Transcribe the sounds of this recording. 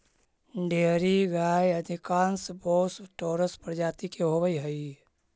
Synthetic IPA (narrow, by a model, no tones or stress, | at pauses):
ɖeɦɾiɡaːjəd̪ʱɪkãːnsboːsʈoːɾəspɾd͡ʒaːt̪ikeɦobəiɦəi